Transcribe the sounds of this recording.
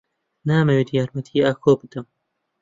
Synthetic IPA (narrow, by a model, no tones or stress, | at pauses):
naːmɐwiːd̪jaːɾmɐt̪ʰiaːkʰoːbɨd̪ɐm